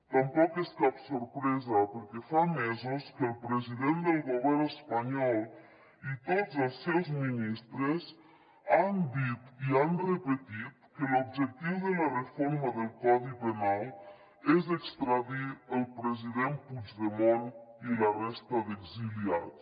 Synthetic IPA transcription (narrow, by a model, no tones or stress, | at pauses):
t̪ampɔkɛskapsoɾpɾɛzɐpəɾkɛfamɛzuskəlˠpɾeziðend̪elˠɣoβɛɾnespaɲɔlˠ | it̪odzelˠsɛwzminist̪ɾez | and̪it̪ianrepet̪it̪kelub̚d͡ʒek̚t̪iwðelarefoɾmaðəlˠkɔðipenalˠ | ɛzekst̪ɾaðiəlˠpɾeziðenpud͡ʒðemonilarɛst̪ɐðeɡziliat̪